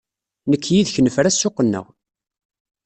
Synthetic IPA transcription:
nəkːjiðçnəfɾæsːʊqːənːə̰ʁ

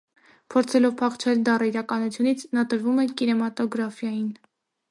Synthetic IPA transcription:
pʰɔɾt͡sʰɛlɔvpʰɑχt͡ʃʰɛld̪ɑrəiɾɑkɑnut͡sʰjunit͡sʰnɑt̪əɾvumɛkinɛmɑt̪ɔɡɾɑfjɑjin

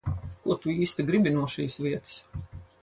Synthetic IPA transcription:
kuɔt̪uiːst̪iɡɾibʲinuɔʃiːsvʲiɛt̪ɨ̥s

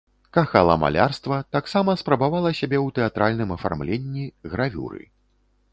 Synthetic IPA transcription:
kaxalˠɐ̰ma̰lʲarst̪vɐt̪aksamɐspɾɐbavalˠɐsʲabʲɛwt̪ɛat̪ɾʔalʲnɨmɐfa̰rmlʲenʲːiɣɾʔavʲṵɾɨ̰

